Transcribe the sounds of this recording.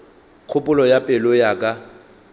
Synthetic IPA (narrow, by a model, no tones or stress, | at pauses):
q͡χʰʊpʼʊlɔjapʼɪlɔjakʼa